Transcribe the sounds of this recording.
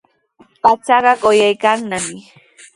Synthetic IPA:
pat͡sɑɢɑɢojajkaŋnamɪ

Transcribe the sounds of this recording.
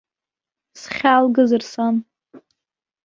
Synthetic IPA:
sχʲalɡɨzɨrsan

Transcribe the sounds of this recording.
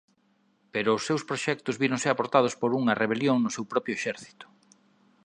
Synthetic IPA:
peɾʊːsːewspɾoʃɛk̚t̪ʊzβiɾoŋsɪapoɾt̪að̞ʊspoɾuŋɐreβeljoŋnʊsewpɾɔpɾjʊeʃɛɾθi̥t̪ʊ̥

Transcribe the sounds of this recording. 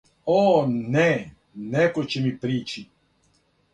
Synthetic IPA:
oːnɛ | nekot͡ɕemipɾiːt͡ʃi

